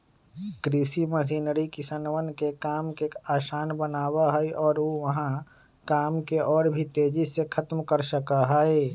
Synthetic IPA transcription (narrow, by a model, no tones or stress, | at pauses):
ɡɾiːsiməsiːnɾikɪsənʋənkekaːmkeaːʃaːnbənaːwaɦɛeʔɔːɾoʋɐɦã | kaːmkeʔɔːɾbʱit̪eːd͡ʒisekʰɐt̪mkəɾʃəkaɦɛe